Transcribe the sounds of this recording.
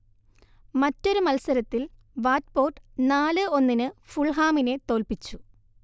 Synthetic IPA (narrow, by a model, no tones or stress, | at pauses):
mɐtːo̞ɾumɐlsɐɾɐt̪ːil | ʋaːt̚po̞ːʈːnaːlɨo̞nːinɨfuɭɦaːmine̞t̪o̞ːlpit͡ɕːu